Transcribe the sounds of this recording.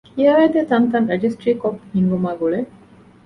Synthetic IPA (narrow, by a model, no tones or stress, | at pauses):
kiaːjɐd̪et̪ɐnt̪ɐnɾɐd͡ʒisʈɾiːkopːhinʋɐmaːɡuɭe